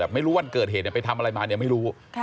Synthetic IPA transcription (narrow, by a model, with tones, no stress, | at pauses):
ɛː˨˩p̚ma˥˩jɾuː˦˥wa˧nkɤː˨˩t̪̚heː˨˩t̪̚ni˧˩pa˧jt̪ʰa˧mʔa˧ɾa˧jmaː˧ni˥˩ma˥˩jɾuː˦˥